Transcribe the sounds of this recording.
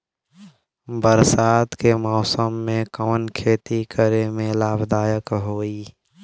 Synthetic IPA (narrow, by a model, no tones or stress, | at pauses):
bəɾsaːd̪kemɔːsəmːẽkɔːnkʰeːt̪ikʰəɾemẽlaːbd̪aːjəkɦoːiː